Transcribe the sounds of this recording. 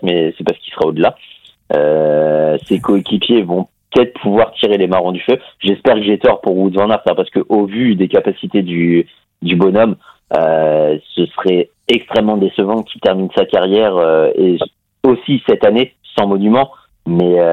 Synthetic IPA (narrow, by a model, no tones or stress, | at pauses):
mɛsɛpaʁsə̥kisəʁaod̪əla | ø | sekɔekʲipjevɔ̃pət̪ɛt̪χpʰuvwaʁt̪ʰiʁelemaʁɔ̃d̪yføʒɛspɛʁkəʒɛt̪ɔʁpuʁwud̪əvɑ̃naʁt̪apaʁsə̥kəʔovyd̪ekapasit̪ed̪y | d̪ybɔnɔm | øsəsəʁɛ | ɛkst̪χɛmːɑ̃d̪esəvɑ̃kʲi̥t̪ɛʁminsakaʁjɛʁøe | osisɛt̪ane | sɑ̃mɔnymɑ̃ | mɛø